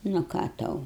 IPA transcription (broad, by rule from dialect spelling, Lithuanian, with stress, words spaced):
nʊ ˈkɑː ˈtɐʊ